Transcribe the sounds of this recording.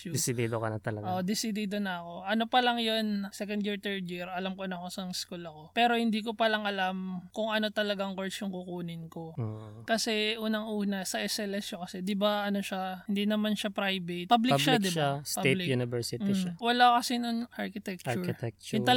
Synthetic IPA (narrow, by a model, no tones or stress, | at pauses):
d̪ɪsɪd̪id̪okɐnɐt̪ɐlɐɡod̪ɪsid̪id̪onɐɐko̞ʔɐno̞pɐlɐŋjonsɛkond̪jiɹt̪ɛɹd̪jiɾɐlamkonɐko̞sɐŋɪskulɐko̞pɛːɾo̞hɪnd̪iːkopɐlaŋʔɐlamkʊŋʔɐno̞t̪ɐlɐɡaŋkoɹt͡ʃjʊŋkukuːnɪnko̞okɐsɛʔuːnɐŋʔuːnɐsɐʔɛsɛlɛsjokɐsɛd̪ɪbaɐno̞ʃahɪnd̪inɐmanʃapɾajbet̪̚pablɪʃaɪʃaspaelɪjunɪvɛɹsɪt̪iʃawɐlakɐsinoŋʔaɹkɪt̪ɛk̚t͡ʃɾʊkɹɪt̪ɛk̚t͡ʃʊt̪ɐ